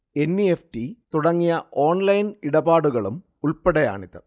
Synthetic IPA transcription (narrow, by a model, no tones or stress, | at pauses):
enːiefʈit̪uɽɐŋːijɐʔoːnlɐjniɽɐbaːɽuɣɐɭum | uɭpɐɽɐja̰ːɳiðɨ̰